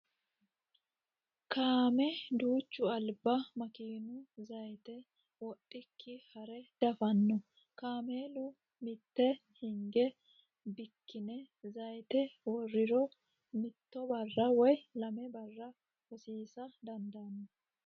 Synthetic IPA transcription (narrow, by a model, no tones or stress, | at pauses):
kaːmɛd̪uːt͡ʃːʊɐlbɐmɐkiːnʊzɐjt̪ɛ | wɔɗʼːɪkʰːɪhɐɾɛd̪̥ɐfɐnːɔ | kaːmeːlʊ | mɪt̪ːɛhɪŋɡɛ | bɪkːɪnɛ | zɐjt̪ɛwɔrːɪɾɔ | mɪt̪ːɔbɐrːɐwɔjlɐmɛbɐrːɐ | wɔsiːsɐd̪ɐnd̪ɐnːɔ